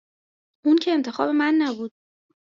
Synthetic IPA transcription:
uncʰeːmt̪ʰe̞xɒ̰ːbe̞mænːæbuːd̪̥̚

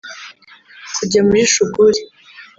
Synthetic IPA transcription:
kuɟamiʃuɡuɾi

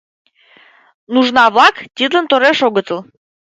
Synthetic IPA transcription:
nuʒnɑβlɑkt̪ʲid̪lə̆nt̪oɾeʃoɣət̪ə̆l

